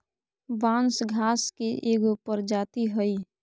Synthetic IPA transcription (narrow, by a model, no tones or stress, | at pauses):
ʋãːnsɡʱaːskeʔeːɡupəɾd͡ʒaːt̪iɦəi